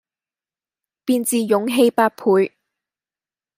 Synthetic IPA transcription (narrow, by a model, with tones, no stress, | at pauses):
piː˧nt͡siː˧jʊ˨˥ŋɦe˧jpaː˥t̚pʰuː˨˧j